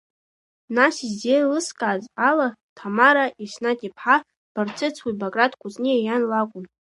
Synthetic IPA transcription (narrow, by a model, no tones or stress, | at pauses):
nasizdelɨskʼazalatʰamaɾaʔisnatʼipʰħa | b̥art͡sʰʼɨt͡sʰwibakʼratkʷʰʼʊzniajanlakʷʼʊm